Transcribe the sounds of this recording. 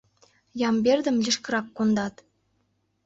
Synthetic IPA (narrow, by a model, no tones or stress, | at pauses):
jɑmberd̪ə̆mlʲiʃkə̆ɾɑkːond̪ɑt̪